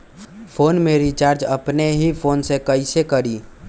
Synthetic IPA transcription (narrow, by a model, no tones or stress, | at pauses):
pʰoːnmeɾit͡ʃaːɾd͡ʒəpneɦipʰoːnsekəɪsekəɾi